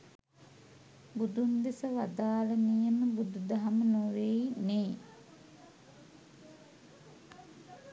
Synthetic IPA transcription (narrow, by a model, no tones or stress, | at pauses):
bud̪und̪esəʋad̪aːlənijəməbud̪ud̪aɦamənuɾeineː